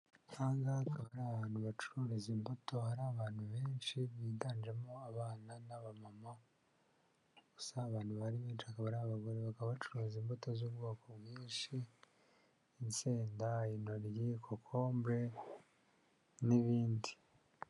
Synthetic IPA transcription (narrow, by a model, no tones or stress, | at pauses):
kʰaːŋɡaːkʰaβaɾaːaβaːn̥huβat͡ʃu̥ɾuɾizimboto̞haɾaβaːnhuβe̞ːnʃiβiːtaːnd͡ʒe̞moaβaːnanaβamama | ɡ̥usaːβaːnhuβaɾiβeːnʃiakaβaɾaβaβaɡo̞ɾeβakaβaβat͡ʃuɾuɾziːmboto̞zuβɡo̞ːkoβɡiːnʃi | nseːndainoɾjikʰokʰo̞ːmbɾe̞ | niβiːndi